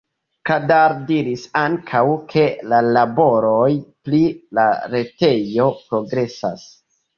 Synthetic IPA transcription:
kadaɾdiɾisaŋkʰawkʰe̞lalabo̞ɾojplilaɾe̞te̞jo̞pɾo̞ɡɾe̞sa̰s

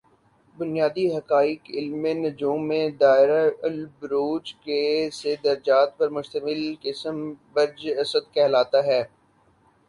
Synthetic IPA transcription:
bʊnijaːd̪iɦɐkaːɪkɪlmːẽnɐd͡ʒuːmːẽd̪aːɪɾalbɾoːd͡ʒkesed̪ɐɾd͡ʒaːt̪̚pɐɾmʊʃt̪əmɪlkɪsəmbɐɾd͡ʒɐsəd̪kɛɦlaːt̪aɦɛː

